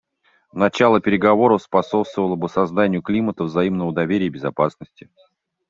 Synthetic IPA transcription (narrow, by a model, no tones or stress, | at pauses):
nɐt͡ɕalˠəpʲɪɾʲɪɡɐvo̞ɾəfspɐso̞pst̪vəvəlˠəbɨsɐzd̪anʲɪjʊklʲimət̪əvzɐimnəvəd̪ɐvʲeɾʲɪjəbʲɪzɐpasnəsʲtʲɪ